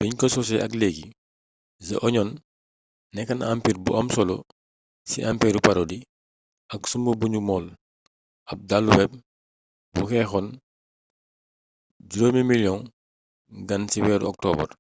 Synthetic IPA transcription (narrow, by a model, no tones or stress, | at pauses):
b̥ɛɲkɔsɔs̬ɛʔɐkleɡi | zɐ̰ʔɔɲɔn | nɛkːɐnampiːɾbṵʔɐmsɔlɔ̰ | sḭʔampiːɾupɐɾodi | ʔɐksumbəbuɲumɔːl | ʔɐp̚dalːuwɛp̚ | buxɛxɔn | d͡ʒuɾomimiljɔŋ | ɡɐnsiwɛːɾɔk̚tɔːbɐ̰r